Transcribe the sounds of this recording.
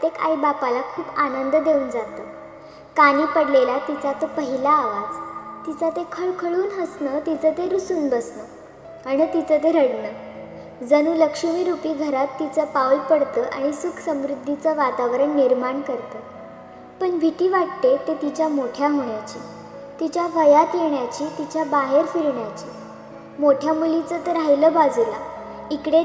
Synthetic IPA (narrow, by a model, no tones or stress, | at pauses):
t̪eka̰jbapalakʰuːpanənd̪d̪euːnd͡zat̪əː | kañiːpəɽlelat̪it͡sat̪opəɦilaːʋad͡zt̪it͡sat̪ekʰəɭkʰəɭuːnɦəsnəːt̪it͡sət̪eɾusuːnbəsnəː | aɽ̃it̪it͡sət̪̬eɾəɽnəː | d͡zəñuːləkʂmiːɾupiːɡʱəɾat̪ːit͡səpawlpəɽt̪əːʔaɽ̃isukʰsəmɾud̪ʱːit͡səʋat̪aʋɾəɳniɾmaɳkəɾt̪əː | pəɳbʱit̪iːʋaʈt̪et̪et̪it͡ɕjamoʈʰjaɦoɳjat͡ɕiː | t̪it͡ɕjaʋəjat̪jeɳjat͡ɕiːt̪it͡ɕjabaɦeɾfiɾɳjat͡ɕiː | moʈʰjamulit͡sət̪əɾajləːbad͡zula̰ | ikɽe